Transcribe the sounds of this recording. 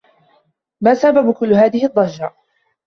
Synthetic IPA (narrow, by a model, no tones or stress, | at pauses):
maːsababkʊlːʊɦaːðɪhɪd̪ˤːɑd͡ʒɾˤɑʔ